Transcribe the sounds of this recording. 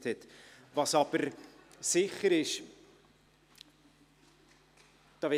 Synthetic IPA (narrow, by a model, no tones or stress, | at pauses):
thɛtvɑsɑb̥əɾsɪχəɾɪʃ | d̪̥ɑːvɛ